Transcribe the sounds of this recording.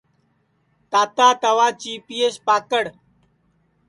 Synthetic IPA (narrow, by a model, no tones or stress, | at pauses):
t̪aːt̪aːt̪ɐwaːt͡ɕiːpiːespaːkəɽ